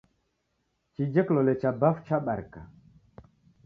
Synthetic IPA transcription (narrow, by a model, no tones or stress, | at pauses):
t͡ʃid͡ʒɛklɔlɛt͡ʃabaft͡ʃaɓaɾka